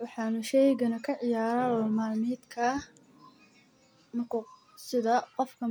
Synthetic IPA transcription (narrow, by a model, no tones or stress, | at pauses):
wɑħɑːnʊʃɛjɣɐnɐkʰɐʕɪjaːɾɐlɔːmaːlmiːd̪kʰɐ | nʊkʊ | sɪðɐqɔfkʰɐ